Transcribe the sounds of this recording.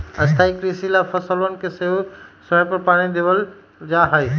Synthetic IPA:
əst̪ʰaːikɾisilapʰəsələnkeseʋsəpəɾpaːɽ̃id̪eʋəl | d͡ʒaːɦəi

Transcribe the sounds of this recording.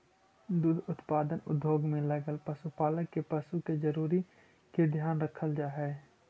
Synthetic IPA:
d̪uːd̪ʱʊt̪paːd̪ənʊ̰d̪ʱːoːɡmẽlɐɡəlpəsupaːləkːepəsuked͡ʒəɾuːɾi | ked̪ʱjaːnɾəkʰəld͡ʒaːɦɛː

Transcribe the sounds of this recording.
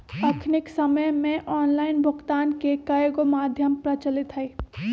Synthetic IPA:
ɐkʰnɪksɐməjmẽʔɔːnlaːɪnbʱʊkt̪aːnkekɐjɡomaːd̪ʱjəmpɾɐt͡ʃəlɪt̪ɦɐiː

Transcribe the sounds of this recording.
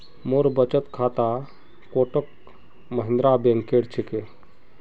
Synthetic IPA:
moɾbət͡ʃət̪kʰat̪a | koːʈək | məɦɪ̃nd̪ɾabẽŋkeɽt͡ʃʰeke

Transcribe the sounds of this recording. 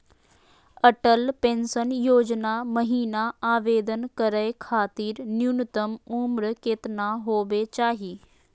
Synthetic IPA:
ɐʈəlpẽːnsənjoːd͡ʒnamɐɦiːnaaːʋeːd̪ənkəɾəekʰaːt̪iːɾnjunət̪əmumɾkeːt̪naɦoːʋet͡ʃaːɦiː

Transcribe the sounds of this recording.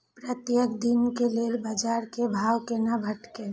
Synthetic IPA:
pɾət̪jəkd̪inkelelbəd͡ʒaɾkebʱaːwkenabʱəʈke

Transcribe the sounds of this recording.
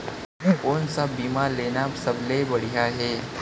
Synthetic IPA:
ʊːnsabiːmaːɾleːnasɐblebɐɽijaɦɛː

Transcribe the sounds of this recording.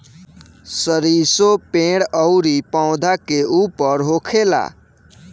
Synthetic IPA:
səɾisopẽɽəʊɾipaʊ̃d̪ʱakeupəɾɦokʰela̰

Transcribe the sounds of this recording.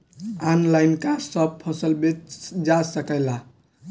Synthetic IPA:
anlajnkasəb̚pʰəsəlbet̪d͡ʒasəkəɪla

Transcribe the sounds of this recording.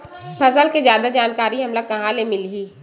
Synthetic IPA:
pʰɐsəlkezjaːd̪ad͡ʒaːnkaːɾiɦɐmləɡ̚kɐɦãlemɪliː

